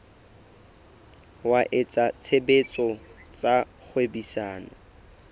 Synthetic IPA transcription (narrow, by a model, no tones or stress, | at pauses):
waʔɪt͡sʼat͡sʰebet͡sʼɔt͡sʼak͡xʰwebisaːnɔ